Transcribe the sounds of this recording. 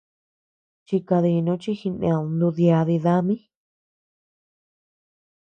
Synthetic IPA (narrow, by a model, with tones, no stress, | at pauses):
t͡ʃi˧ka˧ði˧nũ˦t͡ʃi˦xi˧nḛ̃˧õ˧nd̪u˧ðja˧ði˧ða˦mĩ˦